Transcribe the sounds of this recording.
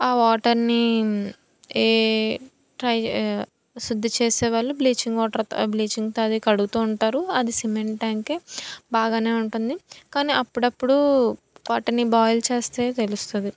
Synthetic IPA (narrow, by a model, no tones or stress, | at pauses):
aːʋaːʈɐɾni | eː | ʈɾɐj | sud̪ːit͡ʃeːsɛːʋaːɭːubliːt͡ʃiŋɡʋaːʈɐɾbliːt͡ʃiŋɡt̪oɐd̪ikɐɽuɡut̪uːɳʈaːɾuɐd̪isimeɳʈʈaːŋkeːbaːɡaːne̞ːuɳʈund̪ikaːniːʔɐpːuɽɐpːuɽu | ʋaːʈɐɾnibaːjlt͡ʃe̞ːst̪e̞ːt̪e̞lust̪und̪i